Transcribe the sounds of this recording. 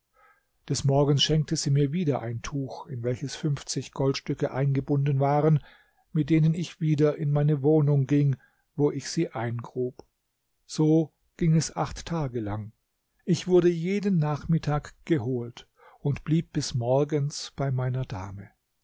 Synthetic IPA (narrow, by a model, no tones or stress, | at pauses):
d̥ɛsmɔɐɡən̩sʃɛŋk̚tʰəziːmiːɐviːdɐʔa̰ɪntʰuːxɪnvɛlçəsfʏnft͡sɪçɡ̥ɔltʃtʏkəʔa̰ɪnɡəbʊndənvaːʁən | mɪt̚d̥eːnənɪçv̥iːdɐʔɪnmaɪnəvoːnʊŋɡɪŋ | voːʔɪçz̥iːʔaɪnɡʁuːp | z̥oː | ɡ̥ɪŋɛsʔa̰χtʰːaːɡəlaŋ | ʔɪçv̥ʊɐdəjeːdənːaːχmɪtʰaːkɡ̥əɦoːlt | ʊntb̥liːp̚b̥ɪsmɔɐɡənsb̥aɪmaɪnɐda̰ːmə